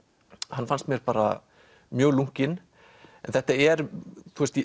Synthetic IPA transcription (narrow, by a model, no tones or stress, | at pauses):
hanːfanst̪mjɛɾpaːɾa̰ | mjœːɣluŋ̥cɪn | ɛnθɛht̪aɛɾt̪ʰuːst̪i